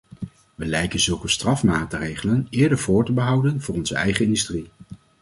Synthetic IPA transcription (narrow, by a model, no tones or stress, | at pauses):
ʋəlɛjkənzɵlˠkəstrɑfmaːtrejχələnɪːɹdəɹvʊːɹtəbəɦɑwdənvʊːrɔnzəɛjχəɪndystri